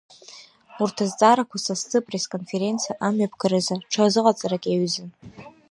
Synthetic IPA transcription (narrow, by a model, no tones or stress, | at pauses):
urtʰazt͡sʼaɾakʷasast͡sʰʼɨpʼre̞skʼo̞nfe̞ɾe̞nt͡sʰijaʔamɥapʰɡaɾɨzaʈ͡ʂʰazɨqʼat͡sʼaɾakʲʼeɥzɨn